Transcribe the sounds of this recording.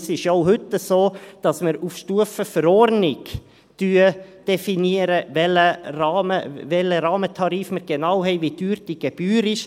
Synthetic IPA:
sɪʃoʊɦʏt̪ːəsoːd̥ɑsməɾufʃtuəfəfəɾɔɾnɪɡ | d̥yːəd̥ɛfiniəɾəvɛlərɑːməvɛləɾɑːmət̪ʰɑɾiːfməɾɡ̥enɑwɦɛɪʋidyːɾtiɡ̥ɛb̥yːɾɪʃ

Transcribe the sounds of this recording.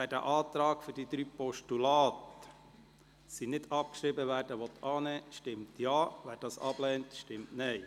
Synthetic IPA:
ʋæːɾdæ̰ʔɑːt̪ɾɑːɡ̥fʏɾdid̥̪ɾyːpɔʃtulɑːt | sinɪdɑp̚kʃɾibəʋæːrd̥əʋɔt̪ʰɑːnɛːʃtɪmtjɑːʋæːɾd̥ɑːsɑ̰b̥lɛːntʃtɪmtnɛɪ

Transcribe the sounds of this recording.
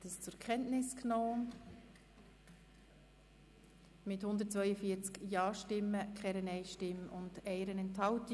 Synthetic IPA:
təst͡sʊɾkʰχɛntnɪsknoː | mɪthʊnd̪əɾt̚t͡svʋœʏəfiət͡skjɑːʃtɪmːəkχɛɾənɛɪʃtɪmʊndɛɪɾənɛnthɑlt

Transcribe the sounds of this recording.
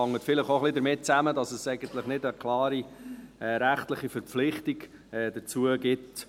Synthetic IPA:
ɑŋːətfɪləχoχlidəɾmɪt̚t͡sæmədɑsəsɛɪɡənt̪ləχnɪdəkʰlɑːɾiɛɾæχtləχifəɾp͡flɪχtiɡɛːd̥ət͡suəɡɪt

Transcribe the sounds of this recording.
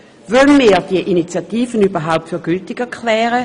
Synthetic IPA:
vœnmiːd̥iəʔinit͡sjatiːfənyːbɐɦaʊp̚tfyɐɡ̥yltɪɡ̥ɛɐkʰlɛːʁə

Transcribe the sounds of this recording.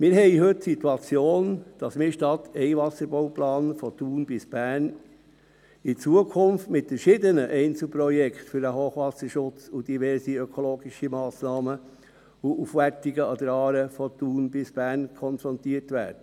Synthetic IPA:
mɪɾɦɛɪɦɵt̚ːsituɑt͡sjoːnd̥ɑsmɪːɾʃtɑtʰɛɪʋɑsəɾboʊplɑːnfɔtuːnbɪsb̥æːn | ɪt͡suəkʰʊmftmɪtfəʃɪdənəʔɛɪnt͡sl̩pɾɔjɛkχtfʏɾəɦoːχʋɑsəʃʊt͡sʊd̥iʋɛɾsiœkʰɔloːɡiʃimɑːsnɑːmə | uʔufʋæɾtiɡəɑd̪əɾɑːɾəfɔtuːnbɪsb̥æːɾnkʰɔnfɾɔntiətʋæ̰ːɾdə

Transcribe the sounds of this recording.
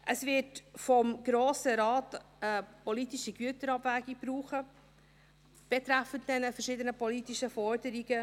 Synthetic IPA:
ʔəsvɪtfɔmɡ̥ɾoːsəɾɑːt | əpɔlitiʃiɡyətəɾɑbvæːɡib̥ɾuːχə | b̥ɛtɾæfənt̚d̥ɛnəfəʃiːdənəpɔlitiʃəfɔɾdəɾiɡə

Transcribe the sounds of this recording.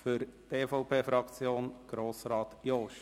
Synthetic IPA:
fʏɾteːfɔʊpʰeːfɾɑkt͡sjoːnɡ̥ɾoːsɾɑːt̪jɔʃ

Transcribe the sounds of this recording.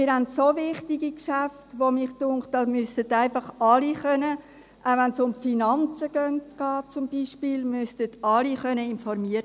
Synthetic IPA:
mɪːɾɦandsoʋɪχtiɡ̥ikʃaftʋomiχtʊŋkχtɑmʏstətaɪnfɑχɑliχœnə | ʔaʊʋɛnsʊmfinɑnt͡səɡ̥œntɡ̥ɑːt̚t͡sʊmbiːʃpiːlmʏstətɑliχœnəɪnfɔɾmiəɾ

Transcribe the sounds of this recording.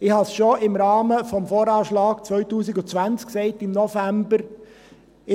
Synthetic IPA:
ɪhɑsʃoɪmɾɑːməfɔmfoːɾɑːʃlɑːɡ̥t͡sʋœʏtuːsɪɡʊt͡sʋænt͡sksɛɪtɪmnɔfæmbəɾ | ɪ

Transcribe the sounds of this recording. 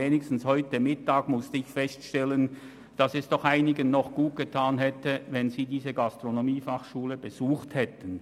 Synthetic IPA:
eːnɪkstn̩shɔʏtəmɪtaːɡmʊstəɪçfɛstʃtɛlən | d̥asɛsd̥ɔχaɪnɪɡənnːɔχɡ̥uːt̚ɡ̥ətʰaːnɦɛtəvɛnziːdiːzəɡastʁ̥onomiːfaχʃuːləbəzuːχthɛtən̩

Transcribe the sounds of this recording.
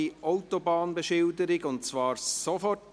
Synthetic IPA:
iʔɔʊtɔbɑːnbəʃɪldəɾɪɡʊnt͡svɑːɾsɔfɔt

